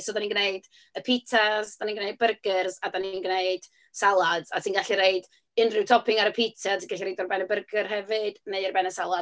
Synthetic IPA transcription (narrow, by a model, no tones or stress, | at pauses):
sɔdaninɡneɨd | əpʰitʰazd̥aninɡneɨd̚bərɡərzadaninɡneɨd̥ | salˠadatʰinɡaɬiɾeɨd | ɪnrɪwtʰɔpɪŋaɾəpʰitʰatʰinɡaɬiɾejdɔrbɛnəbərɡərɦɛvɨd̥neɨrbɛnəsalˠa